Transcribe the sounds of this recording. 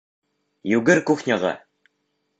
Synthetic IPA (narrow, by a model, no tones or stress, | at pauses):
jʉɡɘɾkʉχnʲɑʁɑ̰